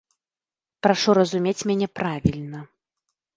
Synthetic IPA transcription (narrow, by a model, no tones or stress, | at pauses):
pɾaʂuɾɐzumʲet͡sʲmʲanʲɛpɾavʲilʲnɐ